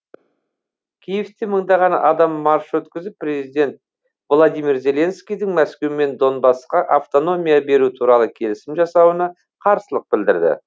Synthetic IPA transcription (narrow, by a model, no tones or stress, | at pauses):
kʲʰijeft̪eməɴd̪ɑʁɑnɑ̰ʔɑd̪ɑmːɑɾʃwɵt̪kʲɪzɪpːɾe̞zijd̪e̞nt̪̚ | vlˠod̪ijmiɾze̞lʲe̞nskʲijd̪ɪŋmæskʲe̞wme̞nd̪o̞nbɑsqɑʔaft̪o̞no̞mʲijabe̞ɾut̪ʰuɾɑlˠəkʲʰe̞lɪsɪmʒɑsɑwənɑ | qʰɑɾsəlˠəq̚bɪld̪ɪɾd̪ɪ̰